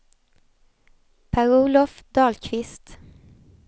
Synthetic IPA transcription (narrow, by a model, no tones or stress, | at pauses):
pʰæʁuːlɔfd̪ɑːlkʰʋɪst̪